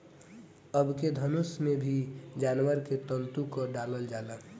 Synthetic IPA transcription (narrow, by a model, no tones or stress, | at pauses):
əbʱked̪ʱənusmebʱid͡ʒanwəɾket̪əlt̪ukɔɖaləld͡ʒalə